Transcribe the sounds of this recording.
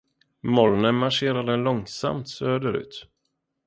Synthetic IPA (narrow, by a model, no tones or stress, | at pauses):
mɔɾnəmaʂeːɾad̪ɛnlɔŋsa̰mt̪søːd̪əɾʉ̟̰ːt̪